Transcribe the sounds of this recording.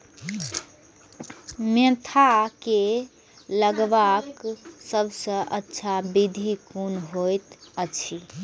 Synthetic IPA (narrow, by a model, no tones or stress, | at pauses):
met̪ʰake | ləɡʋaksəbʱsə̃ʔətːʃʰabid̪ʱikunɦojt̪ət͡ʃʰi